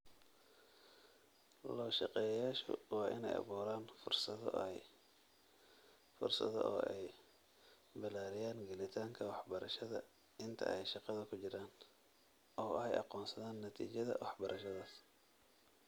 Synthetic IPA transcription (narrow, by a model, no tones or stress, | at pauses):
lɔːʃɑqɛːjjaːʃʊ̰wɑːʔɪ̰nɛ̰jʔɑ̰βuːɾaːnfʊrsɐ̰ | fʊ̰rsɐ̰ðɔ̰ʔɔ̰ːʔɛj | bɪlaːɾɪjaːnɡɛlɪt̪ʰaːŋkʰɐwɑħbɐɾɐʃɐðɐ̰ | ɪnt̪ʰɐ̰ʔɛjʃɑqɑðɐkʰʊt͡ʃɪɾaːn | ʔɔːʔhɛjʔɑ̰qɔːnsɐðaːnːɐt̪ʰḭːt͡ʃɐðɐ̰wɑħbɐɾʔɐʃɐðaːs